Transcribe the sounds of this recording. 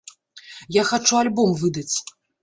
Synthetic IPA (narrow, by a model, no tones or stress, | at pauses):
jaxat͡ʂualʲbɔmvɨd̪ɐt͡sʲ